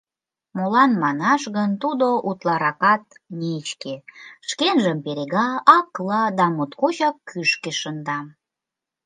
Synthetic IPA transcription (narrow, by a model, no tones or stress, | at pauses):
molɑnmɑnɑʃɣənt̪ud̪oʔut̪lɑɾɑkɑt̪̚ | net͡ɕkeʃkenʒəmpeɾeɣɑɑklɑd̪ɑmot̪kot͡ɕɑkːyʃkeʃənd̪ɑm